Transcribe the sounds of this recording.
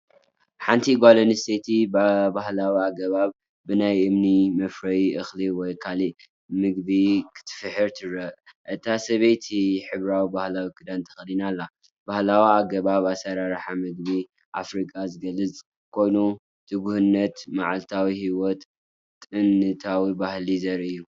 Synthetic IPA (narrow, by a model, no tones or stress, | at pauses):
ħant̪ʰiɡʷalɐniset̪ʰibbahlawiaɡɐβaβː | ɨnajʔɨmnimɐfɾɐjiʔɨxliwɔjkʰaliʔ | mɨɡ̚bikʰɨ̥t̪ʰɨ̥fɨħɨɾt̪ʰɨɾɐʔʔɨt̪ʰasɐβejt̪ʰiħɨβɾawibahlawikʰɨd̪ant̪ʰɐ̥xlinalːa | bahlawiaɡɐβaβasɐɾaɾħamɨɡ̚βi | ʔa̰fɾikʼazɨɡɐlːɨt͡sʼ | kʰo̞jnu | t̪ʰɨɡuhɨnːɐt̪ma̰ʕalt̪ʰawihiwɔt̪ʼ | ɨnːɨt̪ʰawibahlizɐɾʔɨjːu